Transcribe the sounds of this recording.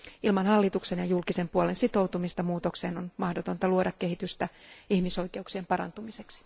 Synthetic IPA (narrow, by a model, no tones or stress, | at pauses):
ilmɑnɦhɑlːit̪uksenjɑjulkisempuolensit̪o̞wt̪umist̪ɑmuːt̪o̞kseːnonmɑhdot̪o̞nt̪ɑluodɑkːehit̪yst̪æihmiso̞ike̞uksiempɑɾɑ̰nt̪umiseksi̥